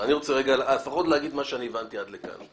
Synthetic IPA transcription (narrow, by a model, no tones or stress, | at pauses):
aniʁot͡seʁeɡalalefaχo̞t̪lehaɡid̪maʃeanievant̪iad̪leka̰n